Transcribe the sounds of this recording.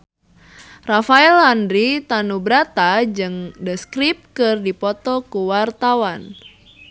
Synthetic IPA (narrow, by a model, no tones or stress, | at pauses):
rafaɛlandɾit̪anubɾat̪ad͡ʒɨŋdəskɾip̚kɨrdipɔt̪ɔkuwart̪awan